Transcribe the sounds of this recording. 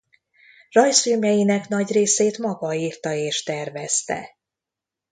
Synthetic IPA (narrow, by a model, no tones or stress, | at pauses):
rɒjsyːmɛjinɛkn̪ɒɟreːseːt̪mɒɡɒiːrt̪ɒeːʃt̪ɛrvɛst̪ɛ̰